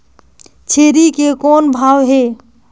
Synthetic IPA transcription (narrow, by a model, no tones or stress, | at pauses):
t͡ʃʰeɾikekɔnbʱawɦe